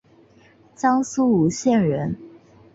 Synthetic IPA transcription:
t͡sɑ˥ŋsu˥u˨˧˥ɕjɛ˥˨˩nɻə˧˦˥n

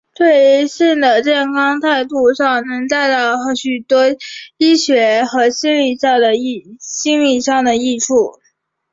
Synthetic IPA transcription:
t̪we˥˧ɪɕi˥˩ŋd̪ə˩ʈ͡ʂjɛ˥˩nkʰɑ˥ŋt̪ʰa˥˧ɪt̪u˥˧ʂɑ˥˩ŋnɤ˧˥ŋt̪a˥˧ɪt̪ɑ˥˩ʊxɕy˨˩t̪wɔ˥i˥ɕɥɛ˧˥xɤ˧˥ɕi˥ŋli˥˧ʂɑ˥˩ŋd̪ə˩i˥˩ɕi˥ŋli˥˧ʂɑ˥˩ŋd̪ə˩i˥˧ʈ͡ʂʰu˥˩

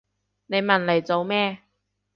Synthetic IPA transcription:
ne˨˧jmɐ˨˩nle˨˩jt͡so˨wmɛː˥

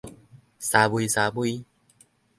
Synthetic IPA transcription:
sa˨bu˨i˨sa˨bu˦i˦

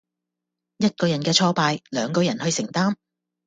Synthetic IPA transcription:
jɐ˥t̚kɔː˧jɐ˨˩nkɛː˧t͡ʃʰɔː˧paː˧jlœː˨˧ŋkɔː˧jɐ˨˩nhɵ˧ɥsɪ˨˩ŋt̪aː˥m

